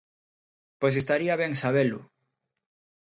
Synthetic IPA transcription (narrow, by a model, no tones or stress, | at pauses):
pojs̬est̪aɾiaβɛŋsaβelʊ̰